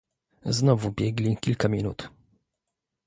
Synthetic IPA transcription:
znɔvubʲjɛɡlʲikʲilkamʲinṵt̪

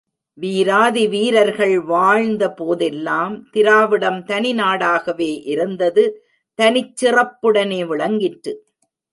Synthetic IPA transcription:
ʋiːɾaːðiʋiːɾɐɾɣɐɭʋaːɻnd̪ɐpoːðɛlːaːmt̪ɪɾaːʋɪɽɐmt̪ɐnɪnaːɽaːɣɐʋeːʔɪɾɯnd̪ɐðɯ | t̪ɐnɪt͡ʃːɪrɐpːɯɽɐneːʋɪɭɐŋɡɪʈːɾɯ

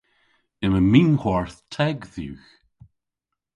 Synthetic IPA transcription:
ɪməminhɔɹθtʰɛɡðṵːx

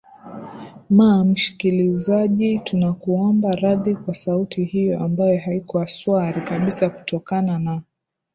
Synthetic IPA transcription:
mam̩ʃi̥kilizaʄitunakuɔmbaɾaðikwasautihijɔʔambajɔhaikɔaswaɾikaɓisaku̥tɔkanana

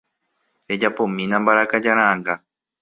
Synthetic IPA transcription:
ed͡ʒapõmĩnãmbaɾakad͡ʒaɾ̃ããŋɡa

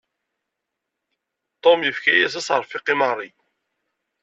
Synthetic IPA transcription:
t̪ˤomjəfkæjæs̬isəɾˤfiqimɑrˤːi

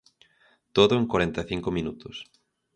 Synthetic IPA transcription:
t̪oðʊeŋkwaɾent̪aθiŋkʊmĩnut̪ʊs

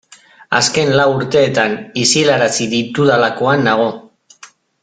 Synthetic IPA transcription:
a̰ske̞nlawuɾt̪e̞ːt̪anisilaɾasiðit̪uðalako̞anːaɣ̞o̞

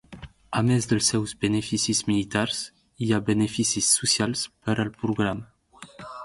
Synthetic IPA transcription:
amɛzd̪əlsɛwzbenefisizmilit̪aɾs | iabenefisisːusjalspəɾəlpɾuɡɾam

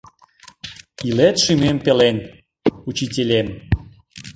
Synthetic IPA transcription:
ilet̪ʃymempelen | ut͡ɕitʲelʲem

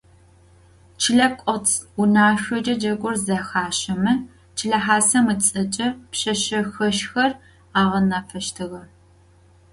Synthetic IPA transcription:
t͡ʃʰɪɮɐkʷʼɔt͡sʰʊnaːɕʷɔd͡ʒʼɐd͡ʒɐɡʷʼʊrzɐxaːɕɐmɨ | t͡ʃʰɪɬɐħaːsɐmɨt͡sʼɐt͡ʃʼɐpɕɐɕɐxɐʃxɐr | aːʁɐnɐfʰɐʃtʰɨɣɐ

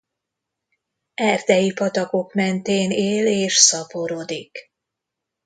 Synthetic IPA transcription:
ɛrd̪ɛjipɒt̪ɒko̞kmɛnt̪eːneːleːʃsɒpo̞ɾo̞d̪ik

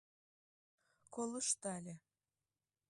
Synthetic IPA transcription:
koləʃt̪alʲe

